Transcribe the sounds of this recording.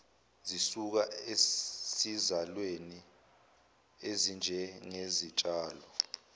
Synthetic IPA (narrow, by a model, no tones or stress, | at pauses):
zisuk̬aesizalweni | ezind͡ʒʱɛŋezit͡ʃʼaːlɔ